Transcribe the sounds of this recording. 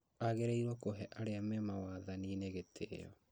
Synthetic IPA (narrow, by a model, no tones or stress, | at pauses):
aɣeɾeiɾwɔkoɦɛʔaɾeamɛmawaðanineɣetʰḛjɔ̰